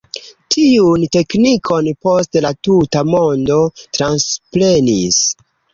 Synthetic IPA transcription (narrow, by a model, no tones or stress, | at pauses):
tʰiunte̞knikʰo̞npo̞stlatutamo̞ndo̞tɾanspɾe̞nis